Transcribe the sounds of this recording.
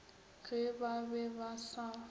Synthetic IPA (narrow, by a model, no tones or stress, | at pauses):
ɣebabɛbasa